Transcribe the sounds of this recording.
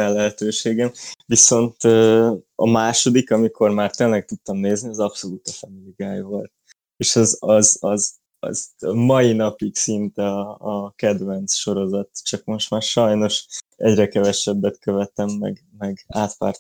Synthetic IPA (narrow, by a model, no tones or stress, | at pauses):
ɛlːɛɦɛt̪øːʃeːɡɛmviso̞nt̪øːɒ̰maːʃo̞d̪ikɒmikʰo̞rmaːrt̪eːnlɛk̚t̪ut̪ːɒmneːzniɒzɒpso̞luːt̪ɛfɛniɡaːjvo̞lt̪̚ | eːʃɒzɒzɒz | ɒ̰zmɒinɒpiksint̪ɛɒːkɛd̪ʋɛnt̪sʃo̞ɾo̞zɒt̪t͡ʃɒkmo̞ʃt̪maːrʃɒjno̞ʃɛ̰ɟrɛkɛvɛʃɛbːɛt̪køvɛt̪ɛmːɛ̰ɡ | mɛɡaːt̪ʋa̰ːrt̪